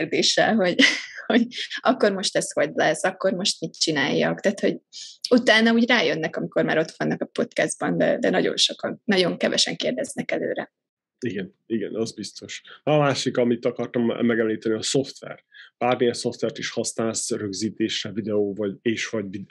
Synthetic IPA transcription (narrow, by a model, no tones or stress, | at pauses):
rd̪eːʃɛ̰lɦo̞ɟho̞ɟɒkːo̞rmo̞ʃt̪ɛsho̞ɟlɛsɒkːo̞rmo̞ʃt̪mit̪t͡ʃina̰ːjːɒ̰kt̪aːt̪ho̞ɟut̪aːnɒuːɟraːjønːɛkɒmiko̞rma̰ːɾo̞t̪ʋɒnːɒkɒpo̞t̪kɛzd̪̚bɒnd̪ɛ̰d̪ɛnɒɟo̞̰nʃo̞kɒnːɒɟo̞ŋkɛvɛʃɛ̰ŋkeːrd̪ɛznɛkɛlø̰ːɾɛ̰ | iɡɛn | iɡɛnɒzbist̪o̞ʃːmaːʃikɒmit̪ːɒkɒrt̪ɒmːɛɡɛmliːt̪ɛniɒso̞ft̪ʋɛ̰rb̥aːrmijɛso̞ft̪vɛrt̪iʃhɒsnaːlsrøɡziːt̪eːʃɛvid̪ɛoːvɒɟeːʃʋɒɟvid̪